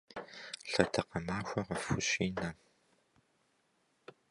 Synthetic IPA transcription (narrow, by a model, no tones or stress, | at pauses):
ɬɐtʰɐqɐmaːxʷɐʁɐfʊɕiːnaː